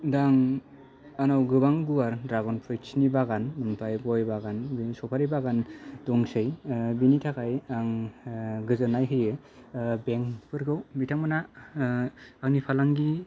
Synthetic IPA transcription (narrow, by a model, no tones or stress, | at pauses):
daŋ | anawɡɯbaŋɡuwaɾdɾaɡɔnpʰɯjt͡ʃʰinibaɡanmɯnpʰajɡɔjbaɡansɔpʰaɾibaɡandɔŋsɯjbinitʰakʰajaŋ | ɡɯzɯnajɦɯjɯ | beŋpʰɯɾɡɯwbitʰaŋmɯna | knipʰalaŋɡi